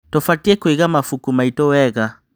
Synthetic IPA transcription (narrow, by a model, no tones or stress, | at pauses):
tɔfatiɛkwiɣamafukumaitɔwɛɣa